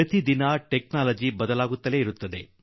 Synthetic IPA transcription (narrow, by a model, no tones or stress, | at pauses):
ɐt̪id̪inɐʈeknaːlɐd͡ʒibɐd̪ɐlaːɡut̪ːɐle̞ːiɾut̪ːɐd̪e̞̰